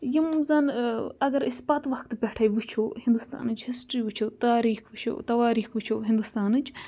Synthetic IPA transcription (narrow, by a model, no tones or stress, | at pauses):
jimzɐnɐɡɐɾisbɐt̪ʋɐxt̪ɨpʲɐʈʰɐjʋɨt͡ʃʰoːhĩnd̪ust̪a̰ːnɨt͡ʃhisʈɾiʋit͡ʃʰoːt̪aːɾiːxʰʋɨt͡ʃʰo̰ːt̪ɐʋaːɾiːxʋɨt͡ʃʰoːɦĩnd̪ust̪aːnɨt͡ʃ